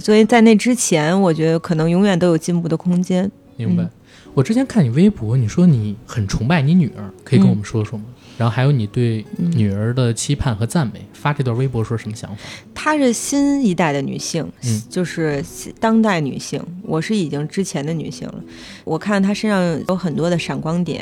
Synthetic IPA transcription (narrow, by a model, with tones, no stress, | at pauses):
swɔ˧˥i˨˩t͡sa˥˧ɪne˥˩ɪʈ͡ʂɻ̩˥t͡ɕʰjɛ˧˥nwɔ˨˩t͡ɕɥɛ˧˥d̪ə˧kʰɤ˨˩nɤ˧˥ŋjʊ˧˥ŋɥɛ˨˩nt̪o˥ʊjo˨˩ʊt͡ɕi˥˧npu˥˩d̪ə˩kʰʊ˥ŋt͡ɕjɛ˥n | mi˧˥ŋba˨˧˩ɪ | wɔ˨˩ʈ͡ʂɻ̩˥t͡ɕjɛ˥nkʰa˥˩ni˨˩we˥ɪpɔ˧˥ni˨˩ʂwɔ˥ni˨˧˥xə˨˩nʈ͡ʂʰʊ˧˥ŋpa˥˩ɪni˧˥ny˨˩ə̰˞˧˥kʰɤ˧˥i˨˧kə˥nwɔ˨˩mə˦ʂwɔ˥ʂwɔ˥mə˨˩nɻa˧˥nxo˥˩xa˧˥ɪjo˧˥ʊni˨˩t̪we˥˩ɪ˥˩ny˨˩ə˞˧˥d̪ə˨t͡ɕʰi˥pʰa˥˩nxɤ˧˥t͡sa˥˩nme˧˩ɪfa˥ʈ͡ʂɤ˥˧t̪wa˥˩we˥ɪp̬wɔ˧˥ʂwɔ˥ʂə˧˥mə˧ɕjɑ̰˧˥ŋfa˩t̪ʰa˥ʂɻ̩˥˩ɕi˥ni˧˥t̪a˥˩ɪd̪ə˩ny̰˨˩ɕi˥˩ŋ˩t͡ɕjo˥˧ʊʂɻ̩˥˩˥t̪ɑ˥ŋt̪̬a˥˩ɪny̰˨˩ɕḭ˥˩ŋwʔɔ˨˩ʂɻ̩˥˩i˨˩t͡ɕi˥ŋʈ͡ʂɻ̩˥t͡ɕʰjɛ˧˥nd̪ə˧ny̰˨˩ɕḭ˥˩ŋlə̰˩ | wʔɔ˨˩kʰa˥˩nt̪ʰa˥ʂə˥nʂɑ˥˩ŋjo˧˥ʊxə˨˩nt̪wɔ˥d̪ə˨ʂa˨˩nkwɑ˥ŋt̪jɛ̰˨˩˦